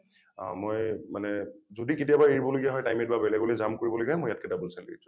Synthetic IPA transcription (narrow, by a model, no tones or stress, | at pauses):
mojmanɛzodiketijabaeɹibɔloɡiaɦɔjtajmɛt̚babɛlɛɡolezamkoɹibɔloɡiaɦɛmojat̚kɛdabulsalḭisʰũ̥